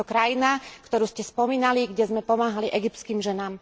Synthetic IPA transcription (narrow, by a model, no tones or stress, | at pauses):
ɔkɾajinakt̪ɔɾuːscɛspɔmiːnaliɡɟɛzmɛpɔmaːɦaliʔɛɡip̪t͡skiːmʒɛnaːm